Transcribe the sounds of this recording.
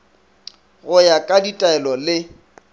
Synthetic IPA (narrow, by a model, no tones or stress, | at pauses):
ɣʊjakʼaditʼaɛlɔlɪ